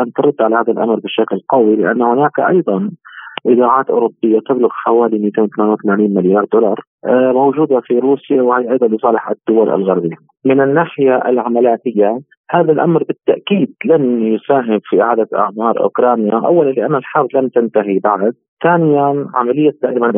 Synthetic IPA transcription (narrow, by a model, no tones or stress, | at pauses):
ʔant̪ɑɾˤʊd̪ːʕalahaːðalʔa̰mɾˤbɪʃaklqɑwilɪʔa̰nːahʊnaːkʔɑ̰jðˤɑnʔɪd̪aːʕaːt̪ʔʊ̰ːɾʊbːɪjːat̪ɪblʊɣħawaːlimiːt̪eːnwʊt̪amaːnawθamaːniːnmɪljɑːɾˤd̪ʊlɑɾˤ | mowd͡ʒuːd̪afiɾuːsjawhajːʔɑjd̪ˤɑnjʊsˤɑːlɪħa̰d̪ːʊwalʔa̰lɣaɾbijːa | mɪnɪnːaːħɪjaʔa̰lʕamalaːt̪ɪjːa | haːðalʔamɾbɪt̪ːaʔkiːd̪lanjʊsaːɦɪbfiʔɪʕaːd̪aʔa̰ʕmɑːɾˤʔʊ̰kɾˤɑːnjaʔa̰wːalanlɪʔanːalħɑɾˤd̪ˤlamt̪ant̪aɦibaʕd̪̚θaːnɪjanʕa̰malɪjːad̪aːʔɪman